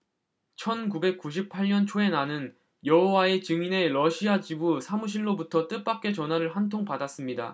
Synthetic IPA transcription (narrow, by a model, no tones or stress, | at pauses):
t͡ɕʰʌnkube̞k̚k͈uɕ̬ʰip̚pʰaʎɲʌnt͡ɕʰoe̞nanɯn | jʌɦowae̞t͡ɕɯŋine̞ɾʌɕʰiat͡ɕibusʰamuɕ̬ʰiɭːobutʰʌt͈ɯp͈ak̚k͈e̞t͡ɕʌnɦwaɾɯɭɸantʰoŋpadas͈ɯmɲida̰